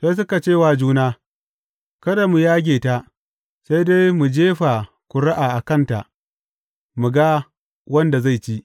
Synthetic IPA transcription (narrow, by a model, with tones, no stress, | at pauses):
se˦s̬ʊ˦ka˨t͡ʃeː˦˨wa˨d͡ʒuː˦naː˦ | kɐ˦da˨mu˨jaː˦ɡʲeː˨ta˦ʔ | se˦jde˦jmu˨d͡ʒeː˦ɸa˨ | kʷʊ˨ɾa˦ʔaː˨ʔa˨kɐ˦˨nta̰˨ʔ | mu˨ɡa˦ | wɐ˦nda˨za˦˨jt͡ʃi˦ʔ